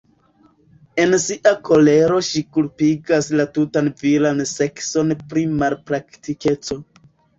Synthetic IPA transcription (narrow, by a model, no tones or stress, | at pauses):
e̞nsiʔakʰo̞le̞ɾo̞ʃikulpiɡaslatutanvilanse̞kso̞npɾimalpɾaktike̞t͡so̞